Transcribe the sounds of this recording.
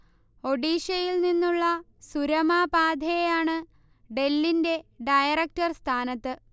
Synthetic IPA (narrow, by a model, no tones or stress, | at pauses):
o̞ɖiːɕɐjilninːuɭːɐ | suɾɐmaːbaːd̪ʱɐjejaːɳɨ | ɖe̞lːinde̞ɖɐjɐrɐk̚ʈɐrst̪ʰaːnɐt̪ːɨ